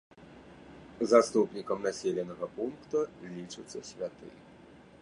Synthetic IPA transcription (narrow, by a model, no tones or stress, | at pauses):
zast̪upnʲikɐmnasʲɛlʲɐnɐɣɐpunkt̪ulʲit͡ʂɨt̪sːɐsʲʋʲat̪ɨ̰